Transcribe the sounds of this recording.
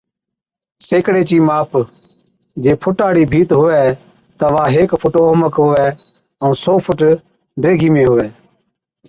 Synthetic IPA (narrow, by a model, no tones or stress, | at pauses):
seːkɽeːt͡ʃiːmaːp | d͡ʒeːpʰʊʈaːɽiːbʱiːt̪ɦʊʋɛː | t̪əʋaːɦeːkpʰʊʈoːməkɦʊʋɛː | əũːsoːpʰʊʈ | ɖɾeːɡʱiːmẽːɦʊʋɛː